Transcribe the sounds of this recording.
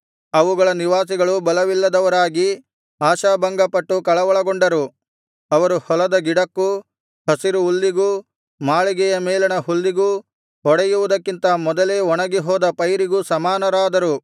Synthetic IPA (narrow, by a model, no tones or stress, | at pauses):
ɐʋuɡɐɭɐniʋaːsiɡɐɭubɐlɐʋilːɐd̪ɐʋɐɾaːɡi | aːʃaːbɐŋɡɐpɐʈːukɐɭɐʋɐɭɐɡoɳɖɐɾu | ɐʋɐɾuhɔlɐd̪ɐɡiɽɐkːu | hɐsiɾuːlːiɡu | maːɭiɡɛjɐmɛːlɐnɐɦulːiɡu | ɦɔɽɛjuʋud̪ɐkːint̪ɐmɔd̪ɐleːɔɳɐɡiɦɔːd̪ɐpɐjɾiɡusɐmaːnɐɾaːd̪ɐɾu